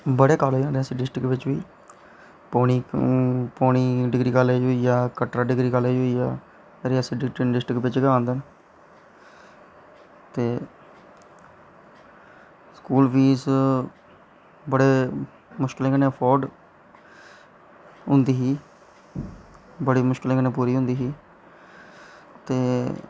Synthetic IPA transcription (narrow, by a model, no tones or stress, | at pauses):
bəɽeːkaːlɦoːiãːnd̪ẽəsĩːɖɪsʈɾɪkʋɪt͡ʃʋiː | poːɳiː | poːɳ̃iːɖɪɡɾiːkaːleoːiːaːkəʈɾaːɖɪɡɾiːkaːlːiɦoːiːaː | ɾɪaːsiːɖɪʈɖɪsʈɾɪkʋɪt͡ʃɡãːnd̪ən | t̪eː | skuːlʋiːs | bəɽeː | mʊʃkɪlẽːkəneːəpʰɔːɾɖ | ɦʊ̃nd̪iːɦiː | bəɽiːmʊʃkɪleːkənẽːpuːɾiːɦʊ̃nd̪iːɦiː | t̪eː